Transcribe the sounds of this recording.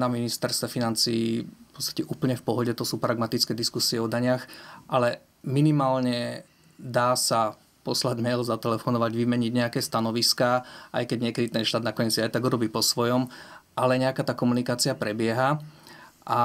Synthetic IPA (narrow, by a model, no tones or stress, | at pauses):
naminist̪ɛɾst̪ʋɛfinant͡siːpɔ̥t͡st̪ḁcɛʔuːpl̩ɲɛfpɔɦɔɟɛt̪ɔsuːpɾaɡmat̪it͡skɛːd̪iskusiɛɔd̪aɲɪaxʔalɛ | minimaːlɲɛ | d̪aːsa | pɔslaɟmɛjlzat̪ɛlɛfɔnɔʋaɟʋimɛɲiɟɲɛakɛːst̪anɔʋiskaːʔa̰jkɛɟɲɪɛkɛd̪it̪ɛnʃt̪aːd̪nakɔɲɛt͡siajt̪aɡuɾɔbiːpɔsʋɔjɔmʔalɛɲɛakaːt̪aːkɔmunikaːt͡siapɾɛbɪɛɦa | ʔa